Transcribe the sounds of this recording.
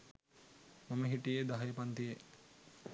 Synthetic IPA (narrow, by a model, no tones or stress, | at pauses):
maməɦiʈijed̪aɦjepant̪ije